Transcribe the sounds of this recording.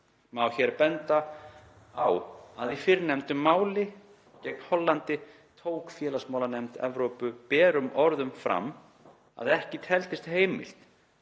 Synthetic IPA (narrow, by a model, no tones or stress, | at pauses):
mawçɛɾpɛnt̪a | awaðifɪɾnɛmt̪ʏmːaːwlɪ | cɛjk̚nhɔlːant̪ɪ | t̪ʰoːwkfjɛːlasmaːwlanɛmt̪ɛ̰vɾowpʏpɛːɾʏmʔɔɾðʏmfɾa̰mː | a̰ðɛhcɪt̪ʰɛlt̪ɪst̪heːjmɪ̰l̥t̪